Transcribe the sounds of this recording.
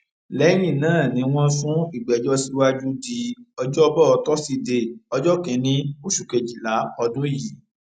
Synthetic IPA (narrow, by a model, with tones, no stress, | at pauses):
lɛ˨˦j̃ĩ˦˨nãː˨˦˨nĩ˨˦w̃ɔ̃˦fũ˦i˦˨ɡ͡bɛ˨d͡ʒɔ˦si˦wa˦d͡ʒu˦di˧ɔ˧d͡ʒɔ˦bɔ˦ɔ˧tɔ˦si˧de˧˨ɔ˧d͡ʒɔ˦kĩ˨˦nĩ˧˦o˦ʃu˨ke˨d͡ʒi˨la˨˦ɔ˧dũ˦ji˨